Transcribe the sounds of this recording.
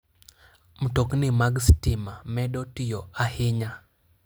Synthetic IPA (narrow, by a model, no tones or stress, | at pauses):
m̩tɔknɪmaɡstɪmamɛɗɔtijɔahɪɲa